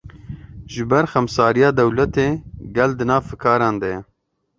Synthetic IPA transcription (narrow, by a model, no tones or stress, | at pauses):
ʒɨbɛɾxɛmsaːɾijɑːd̪ɛwlɛt̪eːɡɛld̪ɨnɑːvfɨkʰɑːɾɑːnd̪ɛjɛ